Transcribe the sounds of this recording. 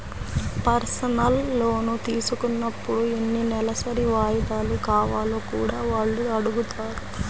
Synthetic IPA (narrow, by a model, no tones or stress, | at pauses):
pɐɾsɐnɐlːo̞ːnut̪iːsukunːɐpːuɽuenːinɛlɐsɐɾiʋaːjɐd̪aːlukaːʋaːlokuːɽaːʋaːɭːuɐɽuɡut̪ʰaːɾu